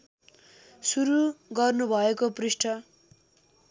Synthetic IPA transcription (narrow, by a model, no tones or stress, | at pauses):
suɾuɡʌrnubʱʌekoprisʈʰʌ